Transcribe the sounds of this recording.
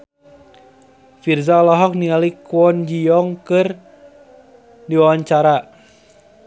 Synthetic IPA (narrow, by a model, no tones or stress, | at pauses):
firzalɔɦɔk̚nialikwɔnd͡ʒijɔŋkɨr | diwawaɲt͡ʃaɾa